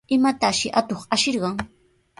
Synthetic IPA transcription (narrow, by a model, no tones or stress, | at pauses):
ɪmat̪aʃɪʔat̪oχaʃɪɾɢɑŋ